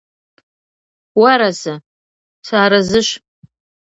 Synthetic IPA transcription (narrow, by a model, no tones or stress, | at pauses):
waɾasa | saːɾazɨʃʷ